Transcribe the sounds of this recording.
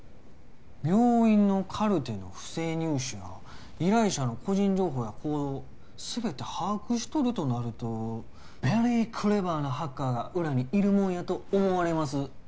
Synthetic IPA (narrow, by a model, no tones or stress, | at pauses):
mʲjo̞ːĩnːo̞kʰaɾɯ̟t̪e̞no̞̰ɸɯ̟̥se̞ːɲ̟ɯːɕɨβa̰ | iɾaiɕano̞ko̞ʑĩɲ̟d͡ʑo̞ːɦo̞ːjakʰo̞ːd̪o | sɨbe̞t̪e̞haːkɯ̟ɕi̥t̪o̞ɾɯ̟t̪o̞naɾɯ̟t̪o̞ | bʲeɾekʰɯ̟ɾe̞baːnohakːaːɡaʔɯ̟ɾaɲ̟iiɾɯ̟mõɰ̃jat̪o̞ːmo̞βaɾe̞masɨ